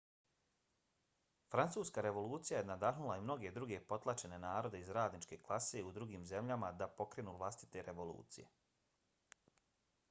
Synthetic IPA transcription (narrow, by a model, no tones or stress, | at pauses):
fɾant̪suːskaɾe̞ʋo̞lˠuːt̪sijaje̞nad̪aɦnulˠaimno̞ɡe̞d̪ɾuɡe̞po̞t̪lˠat͡ʃe̞ne̞naːɾo̞d̪e̞izɾaːd̪nit͡ʃke̞klˠase̞ud̪ɾuɡiːmze̞mʎamad̪apo̞kɾe̞ːnuːʋlˠast̪i̥t̪e̞ɾeʋo̞lˠṵːt̪sije̞